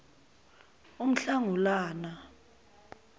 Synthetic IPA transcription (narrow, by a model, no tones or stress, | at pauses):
um̩ɬaŋulaːna